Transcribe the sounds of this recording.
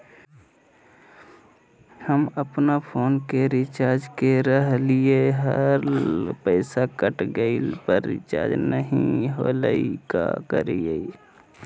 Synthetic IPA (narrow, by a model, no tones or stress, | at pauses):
həməpnapʰoːnkeɾɪt͡ʃaːɾd͡ʒkeɾəɦlieɦəɾpəɪsakəʈɡəilpəɾːɪ̰t͡ʃa̰ːɾd͡ʒnəɦĩɦoləika̰kə̰ɾie